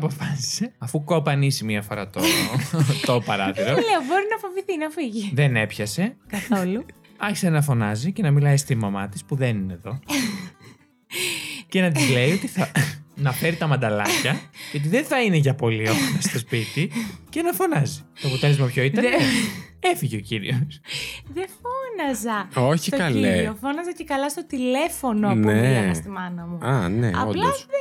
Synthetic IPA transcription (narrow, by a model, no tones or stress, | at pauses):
ɐpo̞fɐsi̥se̞ɐfuko̞pɐnisimiɐfo̞ɾɐ̰t̪o | t̪opɐɾɐθiɾoleobo̞ɾinɐfoviθinɐfiʝiðene̞pçɐse̞kɐθo̞lu | ɐçi̥senɐfo̞nɐzicenɐmilɐjst̪imɐmɐt̪ispuðenine̞ðo̞ | ce̞nɐt̪izle̞iot̪iθɐnɐfe̞ɾit̪ɐmɐnd̪ɐlɐ̰çɐceot̪̬iðenθɐineʝɐpo̞lio̞xonɐst̪o̞spit̪icenɐfo̞nɐzi̥t̪oɐpo̞t̪e̞lezmɐpçoit̪ɐɾeefiʝeo̞ciɾḭosðefonɐzɐoçsitokɐleofonɐzɐcekɐlɐst̪o̞t̪ilefo̞nopnueɐst̪imɐnɐmuɐneɐ̰oplɐos